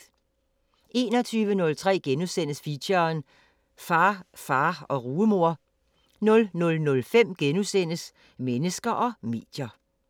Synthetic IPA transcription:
ʔe̝ːnɒ̽t͡sʰyːʋənɔ̽lt͡sʰʁɛ̰ːɡ̥enusen̰əsfiɕɐn | fɑ̈ːfɑ̈ːɒ̽ʁuːəmo̝ɐ̰ | nɔ̽lnɔ̽lnɔ̽lfem̰ɡ̥enusen̰əs | menəsɡ̥ɐʔɒ̽me̝̰ːd̥jɐ

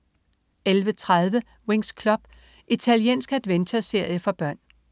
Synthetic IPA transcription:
elʋət͡sʰʁað̞ˠʋə | we̝ŋskʰlɒ̽b̥ | it͡sʰæljie̝̰ːnsɡ̥æd̥ʋensɐse̝ɐ̰jəfɒ̽b̥ɶɐ̰n

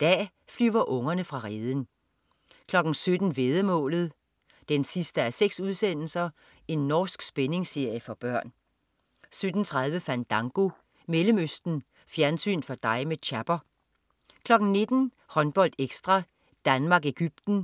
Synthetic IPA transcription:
d̥ɛ̰ː | flyʊɐʔɔ̽ŋɐnəfʁɑ̈ʁeːðˠən̩ | kʰlɒ̽ɡ̥n̩sød̥n̩ʋeð̞ˠəmɔ̰̽ːlð̞̩ˠ | d̥ensisd̥əæseɡ̥suðˠsen̰l̩sɐ | e̝nːɒːsɡ̥sb̥ene̝ŋse̝ɐ̰jəfɒ̽b̥ɶɐ̰n | sød̥n̩t͡sʰʁɑ̈ð̞ˠʋəfæn̰d̥ɑ̈ŋɡ̥o̝ | meləmøsd̥n̩ | fjæɐnsy̰ːnfɒ̽d̥ɑ̈ɪmet͡ɕʰæb̥ɐ | kʰlɒ̽ɡ̥n̩ne̝d̥n̩ | hɒ̽nb̥ɒ̽l̰d̥eɡ̥sd̥ʁɑ̈ | d̥ænmɑ̈ːɡeɡ̥yb̥̚d̥n̩

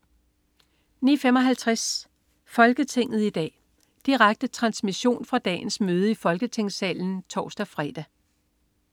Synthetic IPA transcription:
niːfemɒ̽ɦælt͡sʰʁas | fɒ̽lɡ̥ət͡sʰe̝ŋ̰ð̞̩ˠid̥ɛ̰ː | d̥iʁaɡ̥̚d̥ət͡sʰʁɑ̈nsmiɕo̝̰ːnfʁɑ̈d̥ɛ̰ːn̩smøːð̞ˠəifɒ̽lɡ̥ət͡sʰe̝ŋ̰sɛ̰ːln̩t͡sʰɒ̰ːsd̥æfʁɛːd̥æ

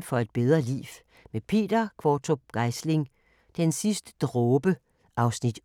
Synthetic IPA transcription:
fɒ̽e̝d̥̚b̥eð̞ˠʁɐlḭːʋ | mepʰe̝̰ːd̥ɐkʰʋɒːt͡sʰo̝ɡ̥ɑ̈ɪsle̝ŋ | d̥ensisd̥ə̥d̥ʁɔːb̥ə | ʔɑ̈ʊsnid̥

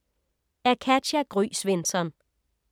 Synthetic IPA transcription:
æɐkʰæ̥æɡ̥ʁy̰ːsʋe̝nsɒn

